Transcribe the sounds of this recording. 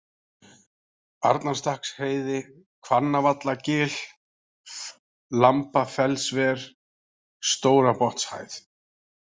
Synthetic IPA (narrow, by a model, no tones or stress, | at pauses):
aɾt̪nast̪ahksheːjðɪ | kʰvanːavat̪lacɪːl̥ | lampafɛlsvɛːɾ̥ | st̪oːwɾapɔht̪sha̰ːjθ